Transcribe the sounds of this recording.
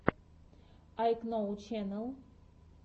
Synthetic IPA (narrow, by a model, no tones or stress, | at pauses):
ajknowt͡ʃʰɛnəlˠ